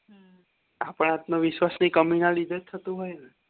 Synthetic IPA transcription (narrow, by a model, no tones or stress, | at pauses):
apəɳ̃at̪noʋiʃwasnikəmunalid̪ʱett̪ʰːət̪ũɦojnɛ